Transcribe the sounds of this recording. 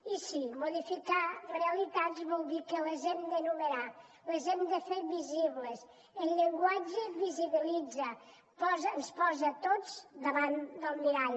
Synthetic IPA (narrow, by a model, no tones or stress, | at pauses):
isimuðifikareəlit̪at̪zβɔlˠd̪ikələzɛmd̪ənuməɾa | ləzɛmd̪əfeɾβiziβləs | ənʎeŋɡwad͡ʒəβiziβilid͡zɐ | pɔznspɔzət̪ozd̪əβand̪əlˠmiɾaʎ